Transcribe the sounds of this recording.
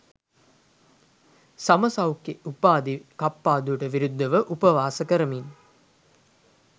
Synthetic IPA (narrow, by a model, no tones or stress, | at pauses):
sɐməsɐwkːeupaːd̪ikapːaːd̪uʈəʋiɾud̪ʱːɐʋəʔupəʋaːsəkəɾəmin